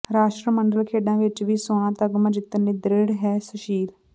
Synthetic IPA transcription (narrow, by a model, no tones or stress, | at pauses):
ɾaːʃʈɾəməɳɖəlkʰeːɖãːʋɪt͡ʃʋiːsʊãːt̪əɡmãd͡ʒɪt̪ːənːiːd̪ɾeːɽɦɛːsəʃiːl